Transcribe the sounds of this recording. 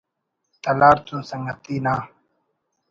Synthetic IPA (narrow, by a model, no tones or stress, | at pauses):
t̪ɐlaːɾt̪ũːsɐ̃ŋɡɐt̪iːnaː